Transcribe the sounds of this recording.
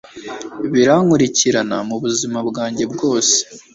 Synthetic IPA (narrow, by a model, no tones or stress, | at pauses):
βiɾaŋuɾiciɾanamuβuzimabɡaːɲɟe̞bɡo̞ːse̥